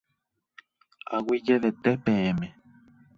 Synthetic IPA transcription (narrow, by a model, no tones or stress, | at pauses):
a̰wid͡ʒeʋet̪epẽẽmẽ